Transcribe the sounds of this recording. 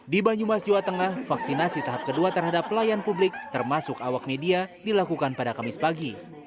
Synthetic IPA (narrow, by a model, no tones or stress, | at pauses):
dibaɲumasd͡ʒiwat̪əŋahfaksinasit̪aɦap̚kəduat̪ərɦadaplajanpublɪk̚t̪ərmasʊkawak̚mediadilakukanpadakamɪspaɡi